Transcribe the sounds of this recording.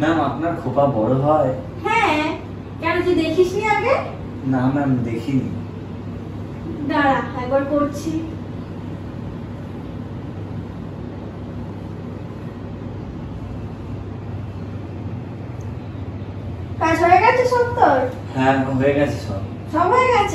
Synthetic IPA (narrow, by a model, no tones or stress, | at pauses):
namapnaɾkʰubabɔɽoɦɔe | ɦɛ̃ | kɛnokid̪ekʰiʃniaɡe | namamid̪ekʰinḭ | d̪aɽaɛɡbaɽkoɾt͡ɕʰi | kajʃoɾeɡat͡ɕʰiʃont̪oɾ | hɛ̃ɦojeɡɛt͡ɕʰe̥ʃʰɔb | ʃɔbɦojeɡat͡ɕʰ